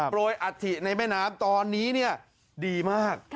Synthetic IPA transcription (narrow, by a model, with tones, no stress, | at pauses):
poː˧jʔa˨˩t̪ʰːi˨˩na˧jmɛː˥˩naː˦˥mt̪ɔː˧nːiː˦˥ni˥˩ɐ | diː˧maː˥˩k̚